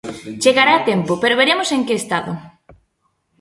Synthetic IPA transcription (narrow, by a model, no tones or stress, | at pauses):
t͡ʃeɣaɾaːt̪empʊpeɾoβeɾemʊseŋkeːst̪aðʊ